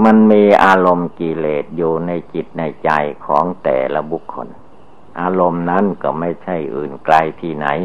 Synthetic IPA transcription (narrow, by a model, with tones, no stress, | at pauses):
ma˧nmiː˧ʔaː˧lo˧mkiː˧leː˨˩t̪̚juː˨˩na˧jt͡ɕi˨˩t̪̚na˧˩jt͡ɕa˧jkʰɔ̰ː˩˦ŋt̪ɛ̰ː˨˩la˧˥bu˧˥kʰːo̰˧n | ʔaː˧lo˧mna˦˥˨nkɔ˧˩ma˥˩jt͡ɕʰa˥˩jʔɯː˨˩nkla˧jt̪ʰiː˥˩na̰˩˦j